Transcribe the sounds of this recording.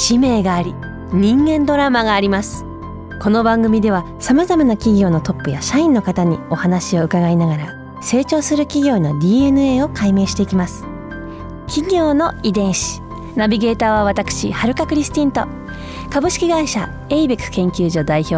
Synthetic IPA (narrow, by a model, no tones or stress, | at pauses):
ɕime̞ːɡaːɾʲi | ɲ̟ĩŋɡẽ̞nd̪o̞ɾamaɡaːɾʲimasɨ̥ | ko̞no̞bãŋɡɯ̟mʲid̪e̞βa | samazamanakʲiɡʲo̞ːno̞t̪o̞pːɯjaɕaĩnːo̞kat̪aɲ̟io̞hanaɕio̞ɯ̟kaɡainaɡaɾa | se̞ːt͡ɕo̞ːsɨɾɯ̟kʲiɡʲo̞ːno̞d̪ʲiːe̞nɯ̟e̞ːo̞kaime̞ːɕi̥t̪e̞ikʲimasɨ̥ | kʲiɡʲo̞ːno̞id̪ẽ̞ɰ̃ɕi̥ | nabʲiɡe̞ːt̪aːβaβat̪akɯ̟̥ɕḭhaɾɯ̟kakɯ̟ɾʲisɨ̥t̪ĩnt̪o̞̰ | kabɯ̟ɕi̥kʲiɡaiɕa | eibekkẽ̞ŋkʲɨːʑo̞d̪aiço̞ː